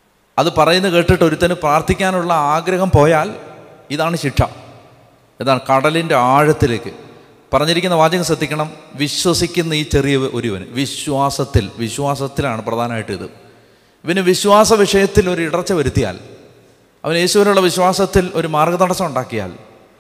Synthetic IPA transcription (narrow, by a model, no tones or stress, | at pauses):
ɐðɨpɐrɐjunːɐke̞ːʈːiʈːo̞ɾut̪ːɐnɨpraːrt̪ʰikʲːaːnuɭːɐaːɡɾɐɦɐmpo̞ːjaːl | iðaːɳɨɕiʈʂʰɐ̰ | enːaːɳɨkɐɽɐlinde̞aːɻɐt̪ːileːkːɨ | pɐrɐɲːiɾikʲːunːɐʋaːd͡ʑɐŋːɐɕɐd̪ːikʲːɐɳɐmʋiɕwɐsikʲːunːɐiːt͡ɕe̞rijɐʔo̞ɾiʋɐnɨ̰ʋiɕwaːsɐt̪ːilʋiɕwaːsɐt̪ːilaːɳɨprɐd̪ʱaːnɐmaːjiʈːḭðɨ̰ | iʋɐnɨʋiɕwaːsɐʋiʂɐjɐt̪ːilo̞ɾuiɽɐt͡ɕːɐʋɐɾut̪ːija̰ːl | ɐ̰ʋɐne̞ːɕuʋɐnuɭːɐʋiɕwaːsɐt̪ːilo̞ɾumaːrɡɐt̪ɐɽɐt͡ɕːɐmuɳɖaːkːija̰ːl